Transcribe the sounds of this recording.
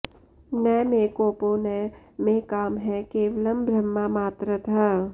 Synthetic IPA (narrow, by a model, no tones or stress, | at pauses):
nɛːmekoːponɛ | mẽkaːmɦɛkeːʋələmbʱɾəmːamaːt̪ɾət̪ʰa